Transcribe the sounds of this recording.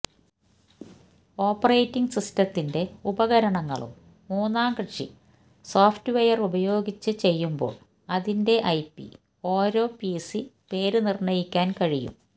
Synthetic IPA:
o̞ːpːɐrejtːiŋɡsistɐt̪ːinde̞ubɐɣɐɾɐɳɐŋːɐ̰ɭṵmː | uːnːaːmkrɨʈʂḭ | soːftɨʋejɐrubɐjo̞ːɡit͡ɕːɨt͡ɕe̞jːumbo̞̰ːɭ | ɐðinde̞ʔɐjpːḭ | o̞ːɾo̞ːpisi | pe̞ːɾɨnirɳɐjikʲːaːnkɐɻijṵm

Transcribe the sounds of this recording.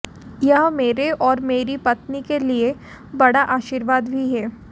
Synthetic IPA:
jɐɦmeːɾeʔɔːɾmeːɾipɐt̪nikelie | bɐɽaʔaːʃiːɾʋaːd̪bʱiɦɛː

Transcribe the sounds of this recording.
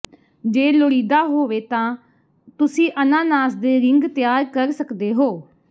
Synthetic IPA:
d͡ʒeːloɽiːd̪aːɦoːʋeːt̪ãː | t̪ʊsĩːʔənãːnaːsd̪eːɾɪŋɡt̪ɪjaːɾkəɾsəkd̪eːɦoː

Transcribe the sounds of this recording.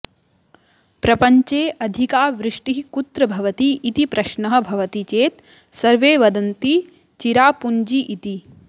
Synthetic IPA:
pɾɐpɐɲt͡ʃeːʔɐd̪ʱikaːʋɾɪʂʈiɦkut̪ɾɐbʱɐʋɐt̪iʔːt̪ipɾɐʃɳɐɦɐ̆bʱɐʋɐt̪it͡ʃeːt̪ | sɐɾʋeːʋɐd̪ɐnt̪i | t͡ʃiɾaːpuɲd͡ʒiʔit̪i

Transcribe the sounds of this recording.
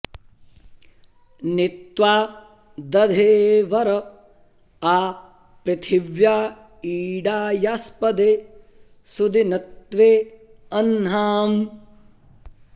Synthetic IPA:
nit̪ʋaː | d̪ɐd̪ʱeːʋɐɾɐ | aː | pɾit̪ʰiʋjaː | iːɖaːjaspɐd̪eː | sud̪inɐt̪ʋeːɐnɦaːm

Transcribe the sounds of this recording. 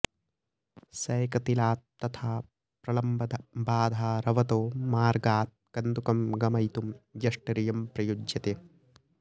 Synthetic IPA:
sɐːkɐt̪ilaːt̪ːɐt̪ʰaː | pɾɐlɐmbɐd̪baːd̪ʱaːɾɐʋɐt̪oːmaːɾɡaːt̪̚kɐnd̪ukɐmɡɐmɐjt̪umjɐʂʈɐɾijɐmpɾɐjud͡ʒjɐt̪eː

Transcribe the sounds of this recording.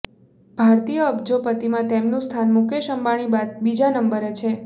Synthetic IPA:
bʱaɾt̪ijəːbd͡ʒopət̪imãt̪emnũst̪ʰanmukeʃəmbaɽ̃ibad̪̚bid͡ʒanəmbəɾet͡ʃʰe

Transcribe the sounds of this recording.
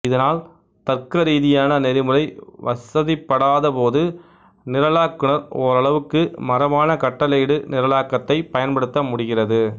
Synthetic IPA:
ɪðɐnaːl | t̪ɐrkɐɾiːðɪjaːnɐnɛɾɪmɯɾɐɪʋɐsɐðɪpːɐɽaːðɐpoːðɯ | nɪɾɐlaːkːɯɳɐɾɔɾɐɭɐʋɯkːɯmɐɾɐʋaːnɐkɐʈːɐlɐɽɯnɪɾɐlaːkːɐt̪ːɐɪpɐjɐnpɐɽɯt̪ːɐmʊɽɪɣɪrɐðɯ

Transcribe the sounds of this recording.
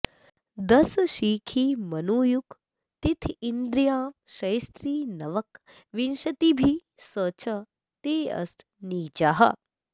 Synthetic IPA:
d̪ɐsʃiːkʰimɐnuːjuk | t̪it̪ʰind̪ɾjaːmʃɐjst̪ɾiːnɐʋɐk | ʋinʃɐt̪ibʱisəːt͡ʃʰɐ | t̪eːɐ̰st̪ | niːt͡ʃaɦɐ̰

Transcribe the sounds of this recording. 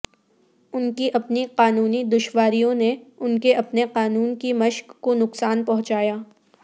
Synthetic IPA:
ʊnkiʔɐpniqaːnuːnid̪ʊʃwaːɾijõneʊnkeɐpneqaːnuːnkimɐʃkːonʊqsaːnpɐɦʊ̃t͡ʃaːjaː

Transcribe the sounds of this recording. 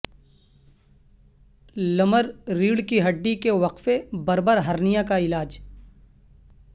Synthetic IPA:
lɐməɾːiːɽkiɦɐɖːikeʋɐqfebɐɾbəɾɦɐɾnijakaɪlaːd͡ʒ

